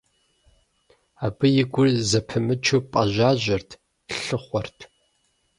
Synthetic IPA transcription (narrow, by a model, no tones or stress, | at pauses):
aːbɨjɪɡʷʊrzɐpʰɨmɨt͡ʃʰupʼɐʑʷaːʑʷɐrtʰ | ɬɬɨχʷɔrtʰ